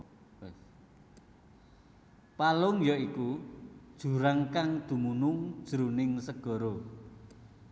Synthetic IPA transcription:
palʊŋjɔikud̥ʒ̥ṳɾaŋkaŋd̪̥ṳmunʊŋd̥ʒ̥ɾunɪŋsəɡ̥ɔ̤ɾo

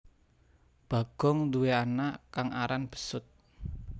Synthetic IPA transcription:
b̥ä̤ɡ̥ɔ̤ŋd̪uweanakaŋaɾanb̥ə̥̤sʊt̪̚

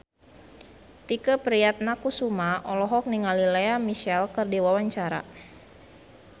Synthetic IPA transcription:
t̪ikəpɾiat̪̚nakusumaʔɔlɔɦɔk̚niŋalileamiʃɛlkɨrdiwawaɲt͡ʃaɾa̰

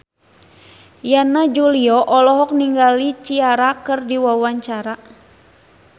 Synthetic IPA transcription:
janad͡ʒuliɔʔɔlɔɦɔk̚niŋɡalit͡ʃiaɾakɨrdiwawaɲt͡ʃaɾa

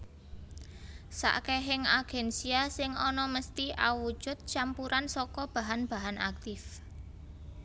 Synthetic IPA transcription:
sa̰ʔkɛɦɪŋaɡ̥ɛnsiasɪŋɔnɔməst̪iʔa̰wu̥ʒ̥ʊ̤t̪̚t͡ʃampuɾansɔkɔb̥a̤ɦanb̥a̤ɦana̰k̚t̪ɪf

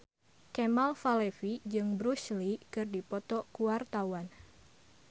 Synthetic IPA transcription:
kɛmalfalɛfid͡ʒɨŋbɾuslikɨrdipɔt̪ɔkuart̪awan

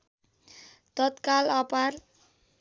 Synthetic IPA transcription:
t̪ɔt̪kalɔpar

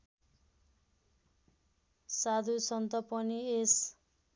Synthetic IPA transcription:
sad̪ʱusʌnt̪ʌpʌnies

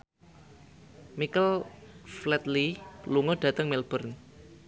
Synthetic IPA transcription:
mikəlflɛt̪liluŋɔɖ̥ä̤t̪əŋmelb̥ə̤rn

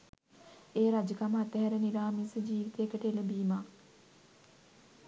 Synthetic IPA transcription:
eːɾad͡ʒəkaməat̪əɦɛɾəniɾaːmisəd͡ʒiːʋit̪eekəʈəeləbiːmaː

